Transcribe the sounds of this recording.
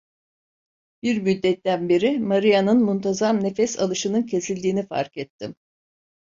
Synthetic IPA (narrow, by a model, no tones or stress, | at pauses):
b̥iɾmyd̪ːɛt̪ːænbiɾimaɾijanɯnmunt̪ʰazamne̞fɛsa̰lˠɯʃɯnɯncʰe̞silʲd̪iːnifa̰ɾkɛt̪ʰːim